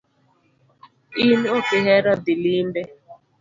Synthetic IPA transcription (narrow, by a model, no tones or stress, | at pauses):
inokɪɦɛɾɔdɪlimbɛ